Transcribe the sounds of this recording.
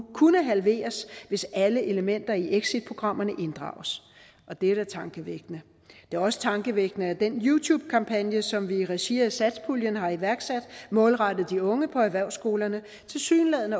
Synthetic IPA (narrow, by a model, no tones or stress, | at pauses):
kʰunəɦælʋe̝̰ːɐsʋe̝sæləʔe̝ləmen̰d̥ɐiʔeɡ̥sid̥̚pʰʁo̝ɡ̥ʁɑ̈m̰ɐnəʔe̝nd̥ʁɑ̰̈ːʊs | ʔɒ̽d̥eɾ̥æt͡sʰɑ̈ŋɡ̥əʋeɡ̥nə | d̥e̝æɐɒ̽sə̥t͡sʰɑ̈ŋɡ̥əʋeɡ̥nəæd̥enjut͡sʰuːb̥̚kʰɑ̈mpʰænjəsɒ̽mʋiʁɛɕḛːɐð̩ˠsæd̥spʰuljənɦɑ̈iʋæɐɡ̥sæd̥mɔ̽ːlʁɑɾ̥ð̩ˠd̥iɔ̽ŋəpʰɒ̽æʋæɐʊsɡ̥o̝ːlɐnə | t͡sʰe̝lsy̰ːnlɛð̰ˠnə